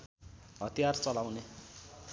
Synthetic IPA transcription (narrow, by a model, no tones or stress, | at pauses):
ɦʌt̪ijart͡sʌlawne